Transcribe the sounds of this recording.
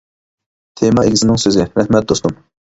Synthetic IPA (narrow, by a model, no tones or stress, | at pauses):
t̪ʰemɑeɡʲisɪnɪŋsøzɪɾɛhmɛt̪̚d̪ost̪um